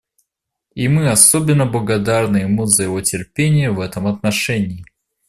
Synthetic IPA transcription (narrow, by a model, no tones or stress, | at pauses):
imɨɐsobʲɪnːəblˠəɡɐd̪arnɨɪmuzəjɪvo̞tʲɪrpʲenʲɪjəvɛt̪əmɐt̪nɐʂɛnʲɪː